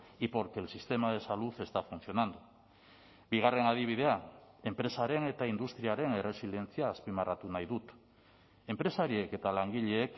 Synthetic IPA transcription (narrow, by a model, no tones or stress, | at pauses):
ipo̞ɾke̞lsist̪e̞mað̞e̞saluθe̞st̪afun̟θjo̞nand̪u | biɣ̞are̞ŋað̞iβ̞ið̞eae̞mpɾe̞saɾe̞ŋe̞t̪aind̪ust̪ɾiaɾe̞ŋere̞sile̞nθjaːspimarat̪unajðut̪ | e̞mpɾe̞saɾieke̞t̪alaŋɡiʎeek